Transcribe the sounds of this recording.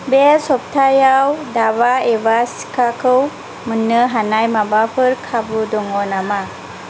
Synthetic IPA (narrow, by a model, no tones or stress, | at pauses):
besɔp̚tʰajawdabaebasi̥kʰakʰɯw | mənɯɦanajmabapʰɯɾkʰabudɔŋɔnama